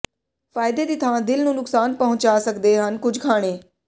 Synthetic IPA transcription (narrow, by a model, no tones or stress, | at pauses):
faːjɪd̪eːd̪iːt̪ʰaːãːd̪ɪlnũːnʊksaːnpəɦʊ̃ɲt͡ʃaːsəkd̪eːɦənkʊd͡ʒʱkʰaːɽ̃eː